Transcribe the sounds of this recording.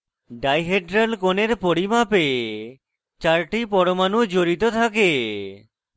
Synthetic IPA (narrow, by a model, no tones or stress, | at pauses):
ɖajɦeʈɾalkoneɾpoɾimape | t͡ɕaɾʈipɔɾomanud͡ʑoɾit̪ot̪ʰake